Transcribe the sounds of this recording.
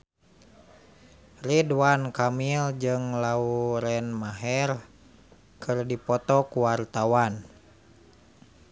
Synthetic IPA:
riduankamild͡ʒɨŋlauɾɛnmaɦɛr | kʰɨrdipɔt̪ɔkuwart̪awan

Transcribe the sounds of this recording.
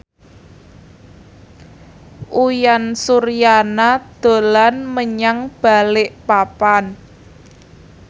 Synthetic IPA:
ʔujansurjanad̪̥o̤lanməɲaŋb̥a̤lɪʔpapan

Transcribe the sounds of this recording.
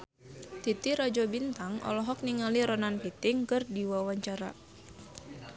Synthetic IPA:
t̪it̪iɾɔd͡ʒɔbint̪aŋʔɔ̰lɔɦɔk̚niŋaliɾɔnanpit̪ɪŋkɨrdiwawaɲt͡ʃaɾa̰

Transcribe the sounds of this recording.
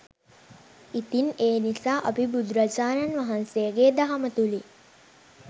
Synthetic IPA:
it̪ineːnisaːʔapibud̪ɾad͡ʒaːnanʋaɦansejəɡeːd̪aɦamət̪uli

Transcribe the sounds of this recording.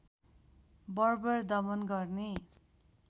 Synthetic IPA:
bʌrbʌrd̪ʌmʌnɡʌrne

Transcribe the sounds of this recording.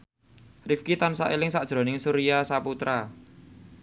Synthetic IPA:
rifkit̪ansaʔelɪŋsaʔd̥ʒ̥ɾo̤nɪŋsuɾiasaput̪ɾa

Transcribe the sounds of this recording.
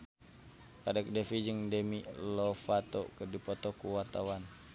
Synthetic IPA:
kadɛk̚dɛfid͡ʒəŋdɛmiʔlɔfat̪ɔkərdipɔt̪ɔkuwart̪awan

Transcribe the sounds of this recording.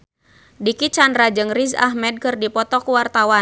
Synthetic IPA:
dikit͡ʃandɾad͡ʒɨŋriza̰ɦmɛd̚kɨrdipɔt̪ɔkuwart̪awa

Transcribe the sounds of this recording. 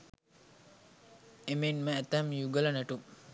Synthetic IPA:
emenməæt̪æmjuɡələnæʈu

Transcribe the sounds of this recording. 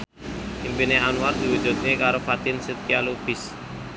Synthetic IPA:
impineanward̪̥iwud̥ʒ̥ṳt̪̚nekaɾofat̪ɪnsit̪̚kialub̥ɪ̤s

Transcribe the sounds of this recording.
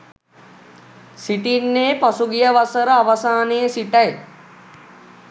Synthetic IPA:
siʈinːejːpasuɡijəʋasəɾəaʋasaːnejəsiʈɐj

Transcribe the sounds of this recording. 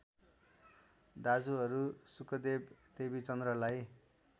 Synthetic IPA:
d̪ad͡zuɦʌɾusukʌd̪ebt̪ebit͡sʌnd̪rʌlaj

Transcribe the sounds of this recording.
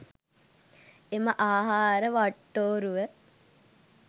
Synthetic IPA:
eməʔaːɦaːɾəʋaʈːoːɾuʋə

